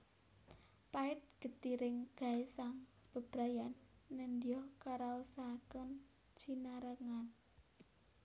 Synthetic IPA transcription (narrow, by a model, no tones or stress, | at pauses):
paɪt̪̚ɡ̥ə̤t̪iɾɪŋɡ̥a̤esaŋ | b̥ə̤b̥ɾajanːəndijɔhkaɾausakən | t͡ʃinaɾəŋan